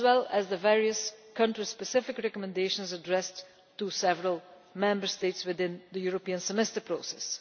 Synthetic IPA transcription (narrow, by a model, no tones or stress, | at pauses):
zwɛlˠəzðəvɛɹiəskʰʌ̃ntɹispəsɪfɪkɹɛkɔmɛ̃ndeɪʃə̃nzədɹɛstː | usɛvəɹəlˠ | mɛ̃mbə˞steɪtswɪðɪ̃nðəjuɹəpiə̃nsɛmɛstə˞pɹosɛs